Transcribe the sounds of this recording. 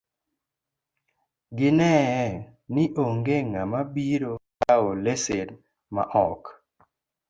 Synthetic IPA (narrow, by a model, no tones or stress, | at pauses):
ɡɪnɛɛ | nɪʔoŋɡeŋamabiɾokaolesed | ma̰ʔɔk